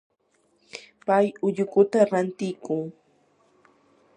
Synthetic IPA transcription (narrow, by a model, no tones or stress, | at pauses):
pajʊʎʊkʊt̪aɾant̪ɪjkʊŋ